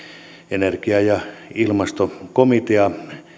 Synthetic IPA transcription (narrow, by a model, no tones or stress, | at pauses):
enerkiɑjɑilmɑst̪okomit̪eɑ